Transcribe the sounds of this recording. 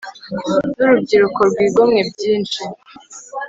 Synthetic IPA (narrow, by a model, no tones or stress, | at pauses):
nuɾubɟiɾukoɾɡwiːɡomŋebɟiːnt͡ʃi